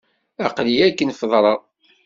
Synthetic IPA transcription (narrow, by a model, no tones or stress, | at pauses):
æqliækːənfəðˤɾˤɑ